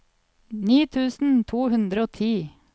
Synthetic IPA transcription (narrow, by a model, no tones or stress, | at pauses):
niːt̪ʰʉːsn̩t̪ʰuːhʉnd̪ɾəoːt̪ʰiː